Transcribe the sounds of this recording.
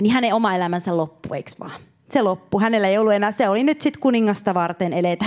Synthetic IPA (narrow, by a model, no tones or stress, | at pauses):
nihæneomɑelæmænsællopːṵḛiksʋɑ̰ː | selopːuhænelːæeijolːuenæːseolinyt̪sit̪kuniŋːɑst̪ɑʋɑrt̪enelet̪æ